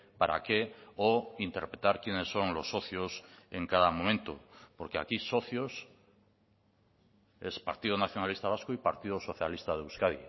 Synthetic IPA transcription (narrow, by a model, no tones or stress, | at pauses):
paɾa̰keoint̪eɾpɾet̪aɾkjene̞sːo̞ŋlo̞sːo̞θjose̞ŋkaðamõmẽnt̪opoɾkea̰kiso̞θjos | e̞spa̰ɾt̪ið̞onaθjonalist̪aβaskoipaɾt̪iðoso̞θjalist̪aðeuskaði